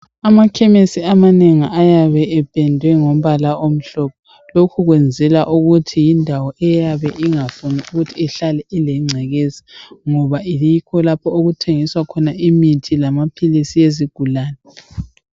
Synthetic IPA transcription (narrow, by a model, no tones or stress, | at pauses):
amakʰɛmesiamaneŋiʔajaβɛɛb̥ʼʱɛndʱwɛŋɔm̩βalaom̩ɬɔpʰɔ | lokʰuɣwɛnd͡zʱɛlaʔuɣutʰijindʱawɔʔɛjaβɛʔiŋafuniuɣutʰiɛɬalɛʔilɛŋ͡ǀʱɛɣezi̥ŋɔβaiikʰɔlapʰɔoɣutʰeŋiswakʰɔnaimitʰilamapʰilisijeziɡ̥ʱulaːnɛ